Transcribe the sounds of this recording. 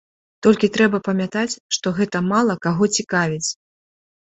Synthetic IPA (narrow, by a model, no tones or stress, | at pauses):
t̪ɔlʲkʲit̪ɾɛbɐpɐmʲat̪at͡sʲʂt̪ɔɣɛt̪ɐmalˠɐkaɣɔt͡sʲikavʲit͡sʲ